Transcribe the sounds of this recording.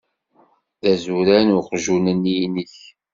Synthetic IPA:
ðæzuɾænʊqʒunəniniç

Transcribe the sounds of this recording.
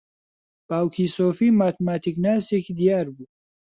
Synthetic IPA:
b̥aːwkʰiːsoːfiːmaːt̪ʰmaːt̪ʰiknaːsekd̪ijaːɾbuː

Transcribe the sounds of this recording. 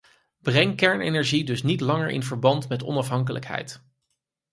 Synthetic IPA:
b̥rɛŋkɛɹnejnɛɹʒidɵsnitlɑŋə̰ɹʔɪ̰nvəɹbɑntmɛtɔ̰nɑfɦɑŋkələ̰kɦɛ̰jt

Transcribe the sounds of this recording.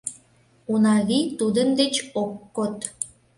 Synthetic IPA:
unɑɣit̪ud̪ənd̪et͡ɕokːot̪

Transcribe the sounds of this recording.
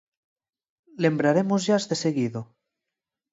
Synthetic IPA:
lembɾaɾemozʒazðeseɣiðo

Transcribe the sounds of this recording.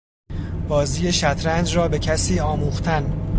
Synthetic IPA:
b̥ɒːziːje̞ʃæt̪ʰɾænd͡ʒrɒːbe̞cʰæsiːɒːmuːxt̪ʰæn

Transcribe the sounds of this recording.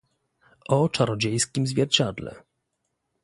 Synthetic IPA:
ʔɔt͡ʂaɾɔd͡ʑejskʲimzvʲjɛɾt͡ɕad̪lɛ̰

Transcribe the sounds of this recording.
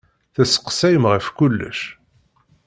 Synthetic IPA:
θæsə̥qsæjəmʁəfkulːə̰ʃ

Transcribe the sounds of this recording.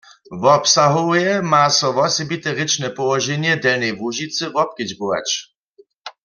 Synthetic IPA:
vɔpsaɦowjɛmaːsɔʋɔsɛbit̪ɛʁɪt͡ʃnɛpɔwɔʒɛnjɛdɛlnɛjvuʒit͡sɨvɔp̚kɪd͡ʑbowa̰t͡ʃ

